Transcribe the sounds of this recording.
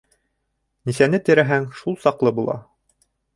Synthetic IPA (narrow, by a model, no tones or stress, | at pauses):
nisænɘt̪ɘ̆ɾæɦæŋʃulˠsɑqlˠɤbulˠɑ̰